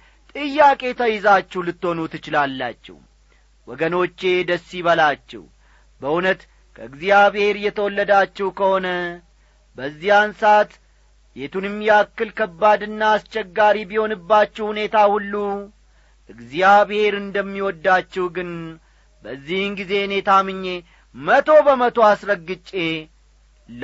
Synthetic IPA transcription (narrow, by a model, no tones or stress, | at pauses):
t̪ʼɨjːakʼe̞t̪ʰəjɪzat͡ʃːɛwlɨt̪ːho̞nut̪ʰːɨt͡ʃɪlalːa̰t͡ʃːɛ̰w | wɔɡəno̞t͡ʃːe̞d̪əsːiβəlat͡ʃːɛ̰h | bəʔunət̪ | kʰəɨɡzijaβhe̞ɾjɛt̪ʰəwɔlːəd̪at͡ʃːɛwkʰəho̞nə | bəzːijansat̪ | bet̪unɨmjɛakːɨlkʰəbːad̪ɨnːaːst͡ʃːɛɡːaɾibiho̞nɨbːat͡ʃːɛwhune̞t̪ahulːu | ʔʔɨɡzijaβhe̞ɾɨnd̪əmːiwɔd̪ːat͡ʃːɛwɡɨn | bəzːihɨnɡize̞ne̞t̪ʰamɨɲːe̞ | mət̪ʰo̞bəmət̪ʰo̞asɾəɡːɨt͡ʃʼːe̞ | l